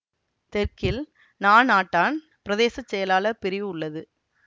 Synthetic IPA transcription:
t̪ɛɾkɪl | naːnaːʈːaːn | pɪɾɐðeːsɐt͡ʃːɛjɐlaːlɐpɪɾɪʋʊɭːɐðɯ

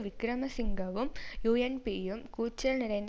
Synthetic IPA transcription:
ʋikɾɐmɐsiŋɡɐʋumjuːenpiːjumkuːt͡ɕːɐlnɪɾɐjnd̪

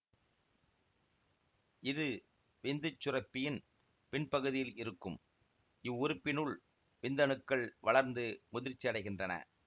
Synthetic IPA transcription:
ɪðɯ | ʋɪnd̪ɯt͡ʃːʊrɐpːɪjɪn | pɪnpɐɣɯðɪjɪlɪɾɯkːɯm | ɪʋʊɾɯpːɪnɯɭ | ʋɪnd̪ɐɳɯkːɐɭʋɐɭɐɾnd̪ɯmʊðɪɾt͡ʃːɪɐɽɐɪɣɪndrɐnɐ̰

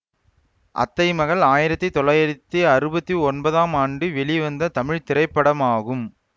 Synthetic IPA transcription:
ʔɐ̰t̪ːɐɪmɐɣɐɭaːjɪɾɐt̪ːɐɪt̪ːɔlɐjɐɾt̪ːiɐɾɯbɐt̪ːiɔnbɐðaːmaːɳɖɯʋɛɭiʋɐnd̪ɐt̪ɐmɪɻt̪ɪɾɐɪpːɐɽɐmaːɣɯm

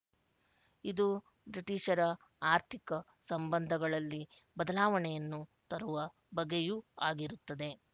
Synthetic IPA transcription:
id̪u | bɾiʈiʃɐɾɐ | aːɾt̪ʰikɐ | sɐmbɐnd̪ʱɐɡɐɭɐlːi | bɐd̪ɐlaːʋɐɳɛjɐnːut̪ɐɾuʋɐ | bɐɡːejuːaːɡiɾut̪ːɐd̪e̞

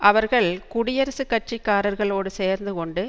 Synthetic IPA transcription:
ʔɐʋɐɾɣɐɭkʊɽɪjɐɾɐsɯkːɐʈ̚t͡ʃɪkːaːɾɐɾɣɐɭoːɽɯseːɾnd̪ɯkɔɳɖɯ

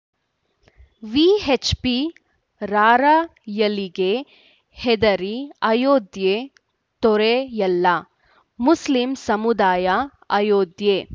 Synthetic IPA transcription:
ʋiːɦet͡ʃpi | ɾaːɾajɐliɡe | hed̪ɐɾiɐjoːd̪je | t̪ɔɾejɐlːa | muslimsɐmud̪aːjɐ | ɐjoːd̪jeː

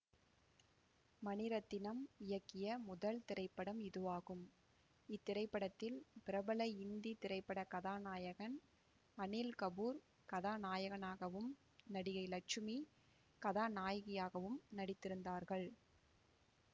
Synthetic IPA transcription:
mɐnɪɾɐt̪ːɪnɐmɪjɐkːɪjɐmʊðɐlt̪ɪɾɐɪpːɐɽɐmɪðɯʋaːɣɯm | ɪt̪ːɪɾɐɪpːɐɽɐt̪ːɪlpɪɾɐbɐlɐɪɪnd̪it̪ɪɾɐɪpːɐɽɐkɐðaːnaːjɐɣɐn | ɐnɪlkɐbuːɾ | kɐðaːnaːjɐɣɐnaːɣɐʋɯm | nɐɽɪɣɐɪlɐt͡ʃːɯmi | kɐðaːnaːjɐɣɪjaːɣɐʋɯmnɐɽɪt̪ːɪɾɯnd̪aːɾɣɐɭ

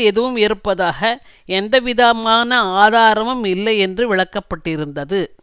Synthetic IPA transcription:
ɛðɯʋɯmɛɾɯpːɐðaːɣɐ | ɛnd̪ɐʋɪðaːmaːnɐaːðaːɾɐmɯmɪlːɐjɛndrɯʋɪɭɐkːɐpːɐʈːɪɾɯnd̪ɐðɯ

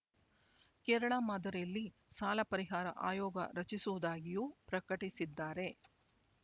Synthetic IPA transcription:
kɛːɾɐɭamaːd̪ɐɾejɐlːi | saːlɐpɐɾiɦaːɾɐ̰ʔa̰ːjɔːɡɐ̰ɾɐt͡ʃisuʋud̪aːɡijupɾɐkɐʈisid̪ːaːɾe̞

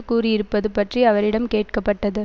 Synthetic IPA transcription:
kuːriɪɾɯpːɐðɯpɐʈriɐʋɐɾɪɽɐmkeːʈkɐpːɐʈːɐðɯ

